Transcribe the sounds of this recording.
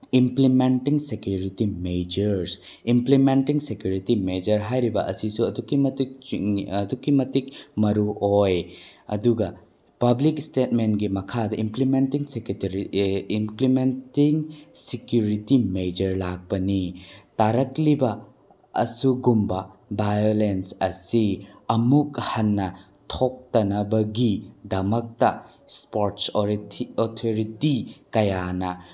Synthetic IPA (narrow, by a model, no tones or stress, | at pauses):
implimentiŋsekjuɾitimed͡ʒɐɾs | implimentiŋsekjuɾitimed͡ʒɐɾɦajɾibɐʔɐ̰sisuɐdukːimɐtik̚ | dukːimɐtikmɐɾuojɐ̰duɡɐ | pɐblikstetmenɡimɐkʰadɐʔimplimentiŋsekɾiimplimentiŋsikjuɾitimejd͡ʒɐɾlak̚b̥ɐnitaɾɐklibɐ̰ː | suɡumbɐbajolensɐsiɐmukhɐnːɐ | tʰok̚tɐnɐbɐɡidɐmɐk̚tɐ | spoɾtsɾotʰoɾitikɐjanɐ